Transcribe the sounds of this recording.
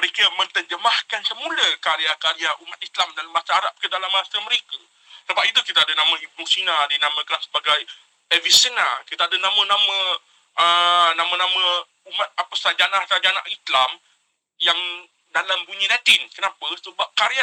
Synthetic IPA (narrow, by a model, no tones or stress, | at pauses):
məɾekəmə̃nt̪əd͡ʒəmahkansəmũləkaɾiakaɾiaʔumat̪̚islamdalamːãsaaɾap̚kədalamːãsəməɾekə | səbap̚it̪ukit̪adənãmə̃ipɾusinadinãmə̃kansə̥baɡaj | ɛvisəna̰kit̪aadənãmə̃nãmə̃ | ənãmə̃nãmə̃ | umãt̪̚apəsad͡ʒanahsad͡ʒana̰ʔislam | jaŋ | dalambuɲĩnãt̪ɪnkənãpəsəbap̚kaɾia